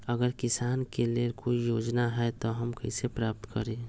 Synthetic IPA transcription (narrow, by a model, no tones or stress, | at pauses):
əɡəɾkɪsaːnkelekoijoːd͡ʒnaɦɛt̪oɦəmkəisepɾaːp̚t̪kəɾẽ